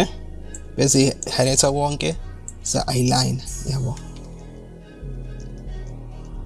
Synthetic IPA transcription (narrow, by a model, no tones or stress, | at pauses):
ɛɓezihanɛtʰak̬ɔŋkʼɛz̥a̰ʔajlajnjaɓɔ